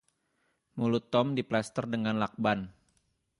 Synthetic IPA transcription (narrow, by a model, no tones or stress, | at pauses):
mulut̪ːɔmdiplast̪ərdəŋanlak̚ban